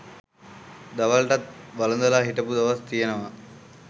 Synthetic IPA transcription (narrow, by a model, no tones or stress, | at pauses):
d̪ɐʋɐlʈɐt̪ʋalɐnd̪ɐlaːɦiʈɐpud̪ɐʋɐst̪ijenəʋa